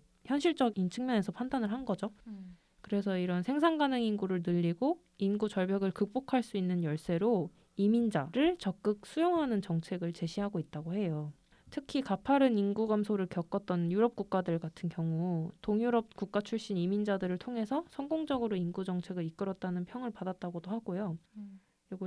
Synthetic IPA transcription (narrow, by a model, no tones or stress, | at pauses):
çjʌnɕʰiɭt͡ɕ͈ʌɡint͡ɕʰɯŋmjʌne̞sʰʌpʰandanɯɭɦanɡʌd͡ʑo | kɯɾe̞sʰʌiɾʌnsʰe̞ŋs̬ʰaŋɡanɯŋinɡuɾɯɭnɯʎːiɡo | inɡut͡ɕʌɭbjʌɡɯɭkɯk̚p͈okʰaɭs͈uinːɯnjʌɭs͈e̞ɾo | imind͡ʑaɾɯɭt͡ɕʌk̚k͈ɯk̚s͈ujoŋɦanɯnt͡ɕʌŋt͡ɕʰe̞ɡɯɭt͡ɕe̞ɕʰiɦaɡoit̚t͈aɡohe̞jo | tʰɯkʰikapʰaɾɯninɡuɡamsʰoɾɯɭkjʌk͈ʌt̚t͈ʌnjuɾʌp̚k͈uk̚k͈adɯɭɡatʰɯnkjʌŋutoŋjuɾʌp̚kuk̚k͈at͡ɕʰuɭɕ͈inimind͡ʑadɯɾɯɭtʰoŋɦe̞sʰʌsʰʌŋɡoŋd͡ʑʌɡɯɾoinɡud͡ʑʌŋt͡ɕʰe̞ɡɯɾik͈ɯɾʌt̚t͈anɯnpʰjʌŋɯɭpadat̚t͈aɡodohaɡojo | joɡo